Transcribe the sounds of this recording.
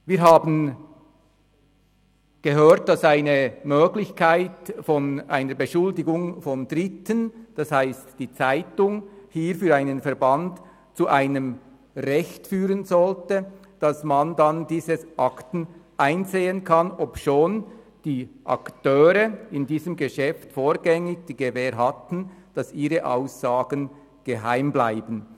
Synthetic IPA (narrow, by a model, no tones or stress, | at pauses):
viːɾɦaːbn̩ | ɡ̥əɦøːt̚d̥ɑsaɪnəmøːɡlɪçkʰaɪtfɔnʔa̰ɪnəɾbəʃʊldɪɡʊŋfɔndʁɪtənd̥ɑshaɪstd̥iːt͡saɪtʊŋhiːɾfyːɾaɪnənfɛɐɾbant | t͡suʔaɪnəm | ʁɛçtfyːʁənzɔltə | d̥ɑsmandandiːzəsʔɑktn̩ʔaɪnzeːənkʰɑnɔpʃoːn | d̥iːʔɑ̰ktøːʁəɪndiːzəmɡeʃɛftfoːɾɡɛŋɪçd̥iːɡevɛːɾɦatn̩d̥ɑsiːʁəʔa̰ʊsaːɡ̥ən | ɡ̥eɦa̰ɪmblaɪbən